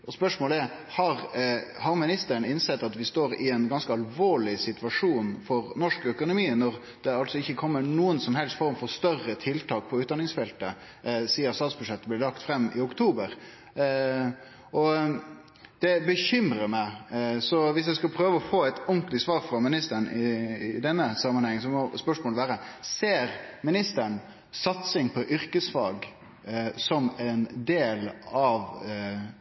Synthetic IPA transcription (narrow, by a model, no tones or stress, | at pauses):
ɔspœʂmoːləɛɾ | hɑɾhɑɾmɪnɪst̪əɾənɪnsɛt̪ːɑt̪ʋɪst̪oːɾɪɛnɡɑnskəɑlʋoːɭɪsɪt̪ʉʋɑʂuːnfɔɾnɔʂkœkʊnʊmiːənɔɾ | d̪̥ɛɑlsɔɪçːəkʰɔmːənuːənsɔmɦɛlst̪fɔɾmfɔɾst̪œrːət̪ʰɪlt̪ʰɑːk̚pʰɔʉːt̪d̪ɑnɪŋsfɛlt̪ə | siːɑsɑt̪sbʉʂɛt̪ːəblɪɖ̪ɑkt̪fɾɛmːɪ̰ʊkt̪ʰuːbəɾ | ʔɔ | d̪̥ɛbəçʏmɾəɾmæɪsɔʋɪs̬jæɪskɑlpʰɾøːʋəɔfoːæɪt̪ʊŋklɪsʋɑːɾfɾɔmɪnɪst̪əɾnɪd̪ɛnːəsɑmːənhɛŋːənsɔmɔspœʂmoːləʋæːɾəseːɾmɪnɪst̪əɳ | sɑt̪sɪŋpʰɔʔʏɾkəsfɑːɡ | sɔmɛnd̪eːlɑʋ